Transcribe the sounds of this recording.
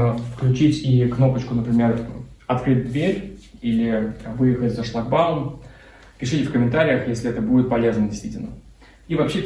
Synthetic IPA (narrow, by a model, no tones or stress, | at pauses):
fklʲʉt͡ɕitʲikno̞pət͡ɕkʊnəpɾʲɪmʲe̞r | ɐt̪kɾɨt̚ʲd̪vʲeɾʲilʲɪvɨjɪxətʲzɐʂlˠɐɡ̚balˠəm | pʲɪʂɨtʲɪfkəmʲɪnt̪aɾʲɪjəxjesʲlʲɪɛt̪əbudʲɪt̪̚pɐlʲeznədʲɪst̪vʲitʲɪlʲnə | ivɐpɕːe